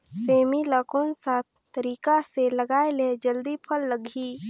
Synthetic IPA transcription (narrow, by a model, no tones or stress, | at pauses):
seːmiləkonsat̪̚ʰ | t̪ːəɾiːkaseləɡaːeled͡ʒəld̪ipʰəlːəɡʱi